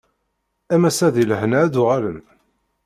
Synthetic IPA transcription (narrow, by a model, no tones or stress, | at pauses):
æmæsæðilhənæd̪ʊʁælən